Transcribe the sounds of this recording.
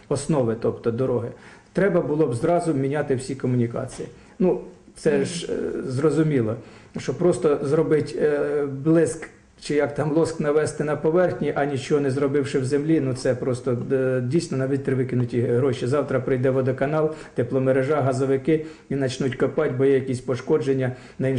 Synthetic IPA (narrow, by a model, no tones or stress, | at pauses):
ɔsnɔʋɪt̪ɔpt̪ɔd̪ɔɾɔɦɪt̪ɾɛbɐbʊlˠɔbzɾɑzʊmʲinʲɑt̪ɪwsʲikɔmʊnʲikɑ̰t͡sʲiji | nut̪sɛʒzrɔzʊmʲilˠɔʃt͡ʃɔpɾɔst̪ɔzɾɔbɪtʲblˠɪsk | t͡ʃɪjɐkt̪ɑmlˠɔsknɐʋɛst̪ɪnɐpɔʋɛrxnʲiʔɐnʲit͡ʃɔɦɔnɛzɾɔbɪwʃɪwzemlʲinut̪sɛpɾɔst̪ɔdʲijsʲnɔnɑʋʲɪt̪ɾɪʋɪkɪnʊtʲiɦɾɔʃizɑwt̪ɾɐpɾɪjd̪ɛʋɔd̪ɔkɐnɑlˠt̪eplˠɔmeɾeʒɑɦɐzɔʋɪkɪ | inɐt͡ʃnutʲkɔpɑtʲbɔjɛjɐkʲisʲpɔʃkɔd͡ʒenʲːɐ | nɐin